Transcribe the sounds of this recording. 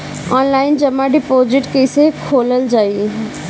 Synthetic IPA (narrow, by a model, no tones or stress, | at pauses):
ɔːnlaːɪnd͡ʒəmãɖɪpoːzɪʈkeɪsekʰoːləld͡ʒaːi